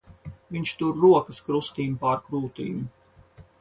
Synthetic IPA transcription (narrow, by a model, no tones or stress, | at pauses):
viɲt͡ʃt̪uɾːuɔkɨskɾust̪iːmpaɾkɾuːt̪ḭːmu